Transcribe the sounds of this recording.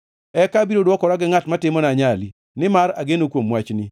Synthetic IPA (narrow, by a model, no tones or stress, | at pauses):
ɛkabiɾodwɔkɔɾaɡɪŋatmatɪmɔnaɲali | nɪmaɾaɡenokwomːwat͡ʃnɪ